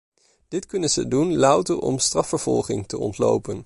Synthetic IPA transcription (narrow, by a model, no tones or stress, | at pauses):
d̥ɪtkɵnənzədunlɑwtəɹɔ̰mstrɑfəɹv̥ɔ̰lˠχɪŋtəɔ̰ntlo̰wpən